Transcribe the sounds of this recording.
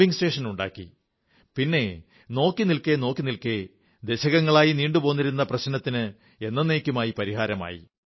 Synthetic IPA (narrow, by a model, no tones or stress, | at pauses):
iŋste̞ːʂɐnuɳɖa̰ːkːḭ | pinːe̞ | no̞ːkːinilkenoːkːinilke | d̪eɕɐɣɐŋːɐɭaːjiniːɳɖupo̞ːnːiɾunːɐprɐɕnɐt̪ːinɨ | e̞nːɐneːkʲːumaːjipɐɾiɦaːɾɐma̰ːjḭ